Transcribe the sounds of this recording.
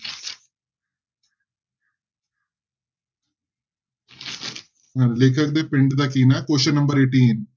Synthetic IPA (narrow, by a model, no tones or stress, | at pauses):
aleːkʰaɡ̚d̪epeɳɖɨd̪akːinakoːʃɐnɐmbɐɾeːʈːien